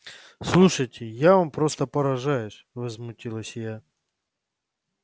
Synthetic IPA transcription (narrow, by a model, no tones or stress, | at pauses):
slˠuʂəjtʲɪjavampɾost̪əpəɾɐʐajʊsʲvəzmʊtʲilˠəsʲja